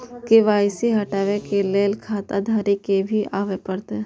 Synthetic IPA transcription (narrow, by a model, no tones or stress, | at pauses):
kiʋaːɪsiɦɐʈaːʋekeleːlkʰaːt̪ad̪ʱaːɾikebʱiʔaːʋepəɾt̪e